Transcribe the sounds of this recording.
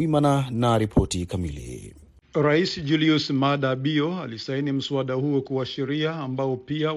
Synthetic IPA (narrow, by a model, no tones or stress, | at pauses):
imananaɾipʰɔtikamḭlḭ | ɾaisid͡ʒuliusmaɗaɓiɔalisainim̩suaɗahuɔkuwaʃɛɾiaːmbaɔpia